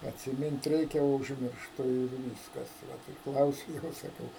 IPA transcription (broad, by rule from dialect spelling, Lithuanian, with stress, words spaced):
ɐtʲsʲɪˈmʲɪnt ˈrʲɛɪkʲɛ oː ʊʒʲmʲɪrʃˈtʊ ɪr ˈʋʲiːskɐs ˈʋɐt tɐɪ ˈklˠɐʊsʲʊ ˈjoːs sɐˈkɐʊ